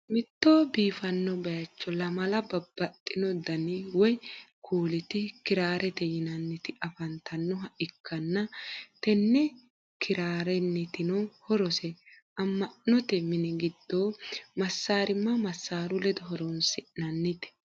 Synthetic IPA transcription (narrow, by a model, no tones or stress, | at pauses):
mɪt̪ːoːbiːfɐnːɔbɐjɐt͡ʃːɔlɐmɐlɐbɐbːɐt̪ʼːɪnɔd̪ɐnɪwɔjkʰuːlɪt̪ɪkɪɾaːɾʔɛt̪ɛjɪnɐnːɪt̪ɪʔɐfɐnt̪ɐnːɔɦɐʔɪkʰːɐnːɐt̪ɛnːɛ | kʰɪɾaːɾɛnːɪt̪ɪnɔhɔɾɔsɛ | ʔɐmːɐʔnɔt̪ɛmɪnɛɡɪd̪̥ːoːmɐsːaːɾɪmːɐmɐsːaːɾʊlɛd̪ɔɦɔɾɔnsɪnɐnːɪt̪ɛ̥